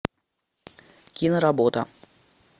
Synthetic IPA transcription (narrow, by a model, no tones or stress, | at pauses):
kʲinəɾabot̪ə̰